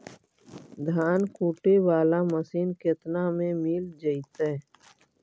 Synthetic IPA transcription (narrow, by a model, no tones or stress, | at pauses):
d̪ʱaːnkuːʈewaːlaməsiːnket̪namẽmiːld͡ʒəit̪e